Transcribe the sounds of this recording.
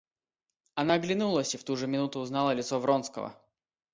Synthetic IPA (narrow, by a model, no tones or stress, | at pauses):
ɐnaɡlʲɪnulˠəsʲift̪uʐɨmʲɪnut̪ʊːznalˠəlʲɪt̪sovɾo̞nskə̰və̰